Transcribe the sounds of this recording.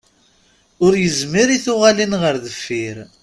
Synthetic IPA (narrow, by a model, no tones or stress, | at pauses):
ʊɾjəzmiɾiθʊʁalinʁəɾðəfːiɾ